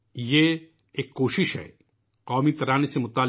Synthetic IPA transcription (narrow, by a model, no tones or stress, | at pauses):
je | eːkːoːʃɪʃɦɛ̰ː | qɔːmit̪ɐɾaːnesemʊt̪aːl